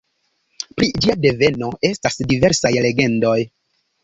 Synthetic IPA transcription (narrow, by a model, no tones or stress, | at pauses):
pɾid͡ʒiade̞ve̞no̞e̞stasdive̞ɾsajle̞ɡe̞ndo̞j